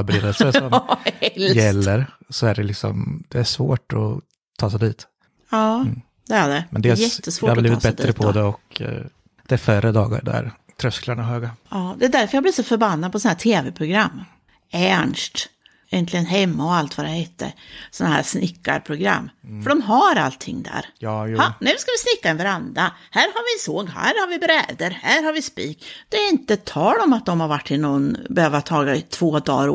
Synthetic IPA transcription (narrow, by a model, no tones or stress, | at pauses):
bɾeːd̪əlsəɔmɛljɛlːəɾ | sɔæɖɛlɪksɔ̰md̪ɛæʂvo̰ːʈɔ̰ | t̪ʰɑːsɛd̪iːt̪ | ɑː | d̪̥ɛæɖɛmɛnd̪ejɛt̪ːəsvoːhabliːvɪt̪bɛt̪ːɾəpʰːɔd̪ɛɔk | d̪̥ɛæɾfœɾəd̪ɑːɡa̰ɾɖ̪æ̰ɾ | t̪ʰɾœsklaɳaɦøːɡaɑːd̪ɛæd̪æɾfœɾjɑaɡbliːɾsɔfœɾbanːad̪pɔsɔnhæːʈʰeːvɛpʰɾʊɡɾamː | ænʂʈ | jɛnt̪lɪɡənɦɛmːaɔalt̪ʰvad̪ɛheːt̪ʰːə̰ɾsɔnːahæ̰ːɾsnɪkːa̰ɾpʰɾʊɡɾa̰mːfœɖɔmɦaɾa̰lt̪ʰːɪ̰ŋːd̪æ̰ːɾhanʉskavɪsnɪkːavaɾand̪ɾahæːɾhaɾvɪsoːɡhæ̰ːɾhaɾvɪbɾɛːd̪əɾhæːɾhaɾvɪspiːkd̪̥ɛæɪnt̪ət̪ʰːɑːlɔmat̪̚d̪ɔmhaɾvaʈːɪnɔnbɛhøːvat̪ʰɑːɡat̪ʰvoːd̪ɑ̰ːɾ